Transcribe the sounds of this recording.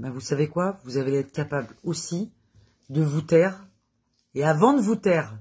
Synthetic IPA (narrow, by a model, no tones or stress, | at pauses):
bɛ̃vusavekwavuzaveɛt̪χkʲapablosi | d̪əvut̪ɛʁ | eavɑ̃d̪əvut̪ɛʁ